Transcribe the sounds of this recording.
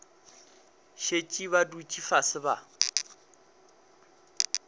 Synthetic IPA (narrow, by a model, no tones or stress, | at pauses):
ʃet͡ʃʼiβadut͡ʃʼifasɪba